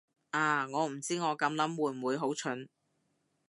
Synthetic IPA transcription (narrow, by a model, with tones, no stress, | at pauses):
ʔaː˧˩ŋɔː˨˧m̩˨˩t͡siː˥ŋɔː˨˧kɐ˨˧˥mlɐ˨˥mwuː˨˧˩wuː˨˧jɦo˨˥wt͡ʃʰɵ˨˥n